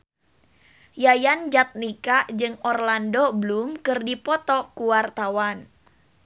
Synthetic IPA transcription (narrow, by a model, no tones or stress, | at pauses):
jajand͡ʒat̪̚nikad͡ʒɨŋɔrlandoblumkɨrdipɔt̪ɔkuwart̪awan